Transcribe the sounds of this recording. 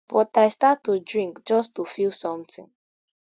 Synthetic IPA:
b̥ɔtaɪstatːudɹĩŋkd͡ʒɔstufilˠsɔ̃mtɪ̰̃n

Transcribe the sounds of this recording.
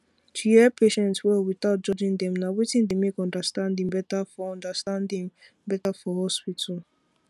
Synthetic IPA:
tʰujɛpʰeʃɛ̃ntswɛlwiθaʊt̚d͡ʒɔd͡ʒĩŋd̪ɛ̃mnawitĩndemekɔ̃ndəstãndĩŋbɛtafɔɔ̃ndəstãndĩŋ | bɛtafɔhɔspitʰal̩

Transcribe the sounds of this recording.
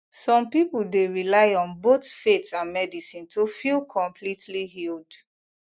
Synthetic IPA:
sɔ̃mpipuldeɹilaɪɔ̃nbotfetãnmɛdisĩntʰofilˠkʰɔ̃mpʰlitliɦild

